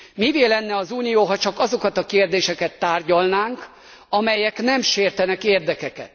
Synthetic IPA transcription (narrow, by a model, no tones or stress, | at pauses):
miveːlɛnːɛɒzuːnijoːɦɒt͡ʃɒkɒzo̞kɒt̪ɒkeːrd̪eːʃɛkɛt̪ːaːrɟɒlnaːŋk | ɒmɛjɛknɛmʃeːrt̪ɛnɛkeːrd̪ɛkɛkɛ̰t̪